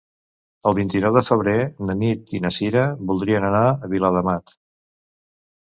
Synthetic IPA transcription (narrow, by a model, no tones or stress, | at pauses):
əlˠβint̪inɔwðəfəβ̞ɾenənit̪inəsiɾəβulˠd̪ɾiənənaəβiləðəmat̪